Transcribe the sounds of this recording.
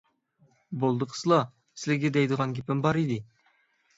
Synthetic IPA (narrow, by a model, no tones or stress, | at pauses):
bolˠd̪əqʰə̥slˠɑ | sɪlɪɡʲed̪ɛjd̪əʁɑnɡʲʰepɪmbɑɾid̪ɪ